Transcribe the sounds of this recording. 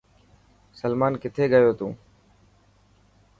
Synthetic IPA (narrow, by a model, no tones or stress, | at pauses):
səlmaːnkɪt̪ʰeːɡəjoːt̪ũː